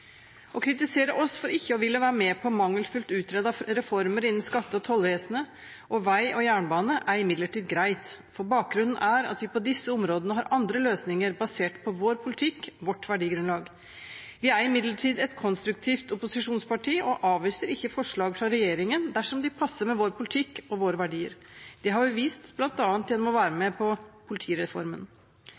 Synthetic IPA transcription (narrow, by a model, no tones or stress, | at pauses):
ʔɔkʰɾɪt̪ɪseːɾəʔɔsfɔɾɪçːəɔʋɪlːɔʋæːɾəmɛpʰɔmɑŋːəlfʉlt̪ʉːt̪ʰɾɛd̪ɑɾɛfɔɾməɾɪnːn̩skɑt̪ːəɔt̪ʰɔlʋeːsənə | ʔɔʋæɪʔɔjæːɳbɑːnəʔæɾɪmɪd̪ləʈiːd̪ɡɾæɪt̪ | fɔɾbɑːk̚ɡɾʉnːn̩ʔæɾɑ̰t̪ʋɪpʰɔd̪ɪsːəʊmɾoːd̪ənəɦɑɾʔɑnd̪ɾəløːsnɪŋəɾbɑseːʈpʰɔʋoːɾpʰʊlɪt̪ʰɪkːʋɔʈːʋæɖiːɡɾʉnlɑːɡ | ʋɪæɾɪmɪd̪ləʈʰiːd̪ɛt̪kʰɔnst̪ɾʉk̚t̪ʰiːft̪ʊpʊsɪʂuːnspɑʈʰiːʔɔʔɑːʋʋiːsəɾɪçːəfɔʂɭɑːɡfɾɑɾɛjeːɾɪŋənd̪æʂɔmd̪ɪpʰɑsːəɾmɛʋoːɾpʰʊlɪt̪ʰɪkːɔʋoːɾəʋæɖiːə̰ɾ | d̪̥ɛɦɑɾbɪʋiːst̪b̥lɑnt̪ɑːnt̪jɛnɔmɔʋæːɾəmɛpʰɔpʰʊlɪt̪ʰiːɾɛfɔ̰ɾmə̰n